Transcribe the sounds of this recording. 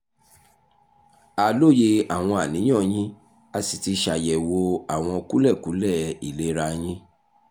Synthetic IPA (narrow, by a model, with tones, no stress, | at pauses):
a˨lo˦˨je˧a˨w̃ɔ̃˧a˨nĩ˨˦j̃ɔ̃˦˨j̃ĩ˦ | a˧si˨ti˧ʃa˨jɛ˨wo˧a˨w̃ɔ̃˧o˧ku˦lɛ˦˨ku˨˦lɛ˦˨i˨le˨˦ɾa˧j̃ĩ˦